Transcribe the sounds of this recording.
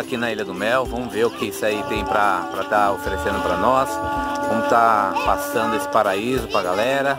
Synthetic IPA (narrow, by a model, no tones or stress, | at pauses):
akinɐilɐd̪ʊmɛwvɐ̃mʊveɾʊkɪisait̪ẽj̃pɾɐpɾɐt̪aofeɾesẽnd̪ʊpɾɐnɔsvɐ̃mʊt̪apasɐ̃nd̪ʊesɪ̥paɾaizʊpɾɐɡalɛɾɐ